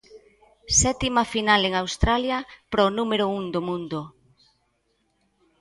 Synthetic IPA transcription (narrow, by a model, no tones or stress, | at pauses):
sɛt̪imɐfinaleŋawst̪ɾaljɐpɾɔnumeɾʊuŋd̪omũnd̪ʊ